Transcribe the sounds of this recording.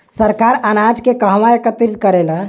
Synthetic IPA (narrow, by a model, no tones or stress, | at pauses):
səɾkaɾanad͡ʒkekəɦmaekət̪ɾid̪̚kəɾela